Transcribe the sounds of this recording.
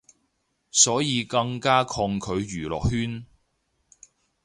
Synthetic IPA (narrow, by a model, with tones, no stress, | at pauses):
sɔː˨˥jiː˨˧kɐ˧ŋkaː˥kʰɔː˧ŋkʰɵ˨˧ɥjyː˨˩lɔ̰ː˨k̚hyː˥n